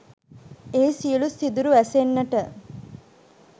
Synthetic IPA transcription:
eːsiəlusid̪uɾuʋæsenːəʈə

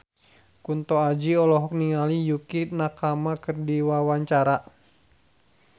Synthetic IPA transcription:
kunt̪ɔad͡ʒiɔlɔɦɔk̚niŋalijukinakamakɨrdiwawaɲt͡ʃaɾa

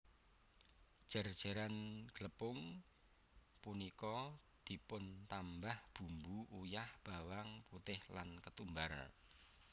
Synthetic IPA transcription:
ʒ̥ə̤rd̥ʒ̥a̤ɾanɡ̥ləpʊŋ | punikɔ | d̪̥i̤pʊnt̪ambahb̥ṳmbuʔujahb̥a̤waŋput̪ɪhlankət̪umbar̰

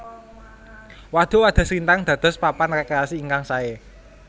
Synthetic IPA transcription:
wad̪̥o̤wad̪̥a̤sint̪aŋd̪̥ä̤d̪̥ɔ̤spapanrekɾeasiːŋkaŋsae

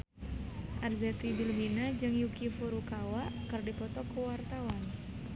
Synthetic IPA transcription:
ʔarzɛt̪ibilbinad͡ʒɨŋjukifuɾukawaʔkɨrdipɔt̪ɔkuwart̪awan

